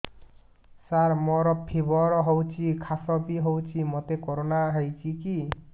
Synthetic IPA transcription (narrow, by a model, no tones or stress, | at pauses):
saɾmɔɾɔpʰibɔɾɔɦowt͡ʃʰikʰasɔbiɦowt͡ʃʰimot̪ekoɾonaɦejt͡ʃʰiki